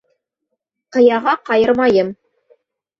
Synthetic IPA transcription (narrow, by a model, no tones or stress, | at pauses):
qɤ̆jɑʁɑqɑjɤɾmɑjɤm